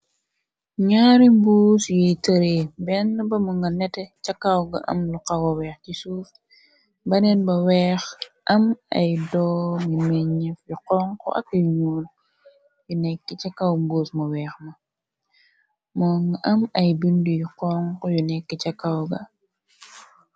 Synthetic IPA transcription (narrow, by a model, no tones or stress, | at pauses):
ɲaɾimbuːsjitɐɾebɛnːɐbɐmuŋɡɐnɛtɛcakːawɡɐ̰ʔɐ̰mluqawɔwɛːxcisuːf | bɐnɛnbɐwɛːxʔɐmɐ̰jdɔːŋimɛɲɛfjuqɔːŋkɔ̰ʔɐ̰kiɲuːl | junɛkːit͡ʃakːawmbuːsmɐwɛːxmɐ | mɔŋɡaʔɐmɐjbindujuqɔːŋkɔjunɛkːɛt͡ʃakːawɡɐ